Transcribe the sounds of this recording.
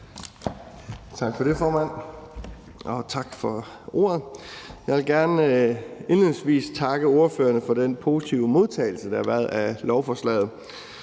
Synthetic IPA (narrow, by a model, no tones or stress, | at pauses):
t͡sʰɑ̈ɡ̥fɒ̽ɾe̝fɒːmæn̰ | ʔɒ̽t͡sʰɑ̈ɡ̥fɒ̽ | ʔo̰ːɐðˠjɑ̈ɪʋe̝lɡ̥æɐnəe̝nlesʋḭːst͡sʰɑ̈ɡ̥əo̝ɐføːɐnəfɒ̽d̥enpʰo̝ːsit͡sʰiʊəmo̝ð̞ˠt͡sʰɛ̰ːɪl̩səd̥ɑ̈hɑ̈ʋæɐð̩ˠælɒʊfɒslɛ̰ːð̩ˠ